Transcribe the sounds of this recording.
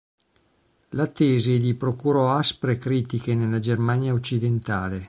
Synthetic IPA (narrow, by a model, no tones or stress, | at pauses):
lat̪ːeːzid̪ipɾokuɾɔaspɾekɾiːt̪ikenelːad͡ʒermanjaot͡ʃːid̪ent̪aːle